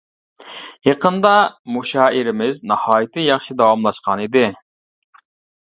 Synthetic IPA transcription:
jeqənd̪ɑmuʃɑːʔɪɾɪmɪznɑhɑːjit̪ʰɨjɑχʃid̪ɑwɑmlˠɑʃqʰɑnid̪ɪ

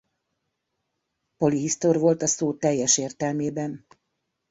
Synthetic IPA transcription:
po̞liɦist̪orʋo̞lt̪ɒsoːt̪ɛjːɛʃeːrt̪ɛlmeːbɛn

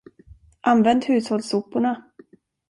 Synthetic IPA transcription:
ʔanvɛnd̪hʉ̟ːshɔlsʊpːʊɳa

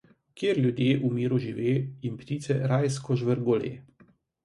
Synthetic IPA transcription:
kjeːɾlʲjud̪jeːʔumiːɾuʒiʋeːimpt̪iːt̪sɛɾajskɔʒʋəɾɡolḛː

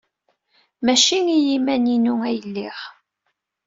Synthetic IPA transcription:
mæʃiŋijimæninuæjəlːiʁ

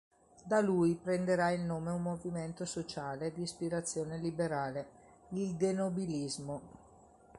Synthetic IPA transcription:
d̪aluːjpɾend̪eɾailnoːmeumːoviment̪osot͡ʃaːled̪iːspiɾat̪sːjoːnelibeɾaːle | ild̪enobilizmo

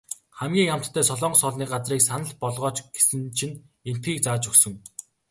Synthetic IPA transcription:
χæmɡʲiːŋam̥t̪ːʰæːsɔɮɔːɴɢsɔɮniːɢat͡sriːksanə̆ɮpɔɮʁɔːt͡ɕɡ̥e̥sɘ̆nt͡ɕʰinen̥t̪̚ɡiːk̚t͡saːt͡ɕɵksɵ̆ŋ

